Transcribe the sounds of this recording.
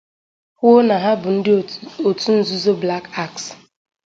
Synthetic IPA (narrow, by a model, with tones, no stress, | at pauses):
hʷo˦na˨ɦa˦bʊ˨n̩˦dɪ˦o˨tu˦n̩˦zu˦zo˦bla˦ka˦˨ks